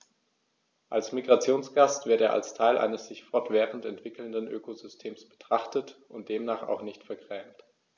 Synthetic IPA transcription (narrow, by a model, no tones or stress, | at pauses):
ʔalsmiɡʁat͡sjoːnsɡ̥astv̥ɪɐteːɐʔa̰lstʰaɪlʔa̰ɪnəsz̥ɪçfɔɐtv̥ɛːʁəntɛntv̥ɪkl̩ndənʔøːkozʏstʰeːmsb̥ə̥tʁ̥aχtətʔʊnt̚d̥eːmnaːχa̰ʊxnɪçtfɛɐɡʁɛːmt